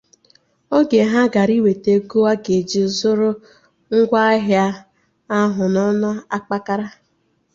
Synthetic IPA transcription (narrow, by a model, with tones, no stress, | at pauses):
o˦ɡe˨ɦa˦ɡa˨ɾi˦we˨te˨ɡo˦a˦ɡe˨d͡ʒi˨zʊ˦ɾʊ˦ | ŋ̩˦ɡʷa˦ɦja˦ | a˦ɦʊ˨nɔ˦nʊ˦a˦k͡pa˦ka˦ɾa˦